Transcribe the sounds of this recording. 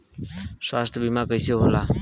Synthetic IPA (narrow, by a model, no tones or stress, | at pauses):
sʋast̪ʰəbʱimakəjseɦola